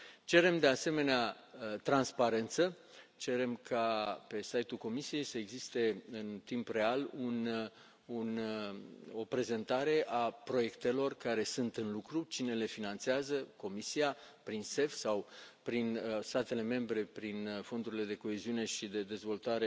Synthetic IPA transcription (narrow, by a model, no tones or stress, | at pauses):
t͡ʃe̞ɾe̞md̪e̞ase̞me̞nea | t̪ɾanspaɾe̞nt̪sə | t͡ʃe̞ɾe̞mkʰape̞sajt̪ulko̞misije̞jsəeɡzist̪e̞ɨnt̪impre̞alun | un | o̞pɾe̞ze̞nt̪aɾe̞ʔapɾo̞je̞kt̪e̞lo̞rkaɾe̞sɨnt̪ɨnlukɾut͡ʃine̞le̞finant̪seazəko̞misiapɾinse̞fsawpɾinst̪at̪e̞le̞me̞mbɾe̞pɾinfo̞nd̪uɾile̞d̪e̞ko̞e̞ziune̞ʃid̪e̞d̪e̞zvo̞lt̪aɾe